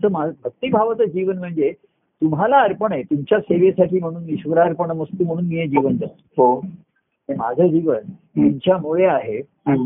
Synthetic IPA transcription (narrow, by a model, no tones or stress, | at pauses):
t͡səmabʱək̚t̪iːbʱaʋət͡s̪əd͡ʑiʋənm̤əɳd͡ze | t̪umɦalaəɾpəɳet̪umt͡ɕjaseʋesaʈʰiːm̤əɽ̃uːnːiɕʋəɾaːɾpəɳəməst̪uːm̤əɽ̃uːnmijed͡ʑiʋənd͡zat̪ | ɦo | ɦẽma̰d͡zʱəːd͡ʑiʋən | t̪umt͡ɕjamoɭeaɦe